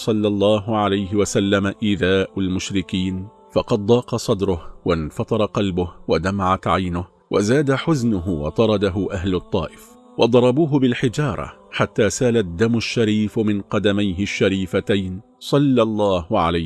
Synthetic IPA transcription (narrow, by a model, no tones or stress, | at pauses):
sˤɑlːɑlˤːɑːɦʊʕalajɦɪwasalːamaʔɪðaːʔʊlmʊʃɾɪkiːn | fɑqɑd̪̚ˤd̪ˤɑːqɑsˤɑd̪ɾʊhwanfɑt̪ˤɑɾˤɑqɑlbʊhwad̪amaʕat̪ʕajnʊh | wʔa̰zaːd̪aħʊznʊɦʊwɑ̰t̪ˤɑɾˤɑd̪aɦʊʔaɦlʊt̪ˤːɑ̰ːʔɪf | wɑd̪ˤɑɾˤɑbuːɦʊbɪlħɪd͡ʒɑːɾˤɑ̰ħat̪ːaːsaːlad̪ːamʊʃːaɾiːfmɪnqɑd̪amajɦɪʃːaɾiːfat̪ajn | sˤɑlːɑlˤːɑːhʊʕa̰la